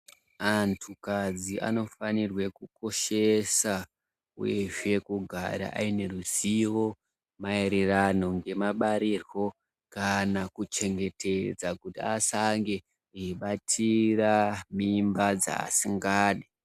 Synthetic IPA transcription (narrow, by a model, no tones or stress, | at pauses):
antʰukad͡zia̰no̞fanirwe̞kuko̞ʃe̞sa | ṵje̞ʐe̞kuɡʱa̰ɾa̰ʔa̰ine̞ruziwo̞ | maeɾerano̞ŋɡe̞maɓaɾirwo̞ | kanakut͡ʃe̞ŋɡe̞tʰed͡zakutiasaŋɡe̞ | uiɓatʰiramimbad͡za̰ːsiŋɡaːɗi